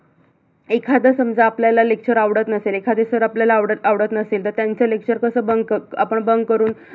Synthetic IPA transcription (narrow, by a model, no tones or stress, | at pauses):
ekʰad̪əsəmd͡zaaːpljalalekɕəɾaʋɽət̪nəseːlekʰad̪esəɾapljalaːʋɽəaʋɽət̪nəseːlt̪əɾt̪jaɲt͡səlekɕəɾkəsəːbəŋɡkəapəɳbəŋɡkəɾuːn